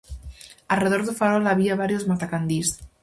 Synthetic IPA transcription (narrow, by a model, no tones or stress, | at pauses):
alreð̞oɾðufaɾolaβiaβaɾjozmat̪akand̪is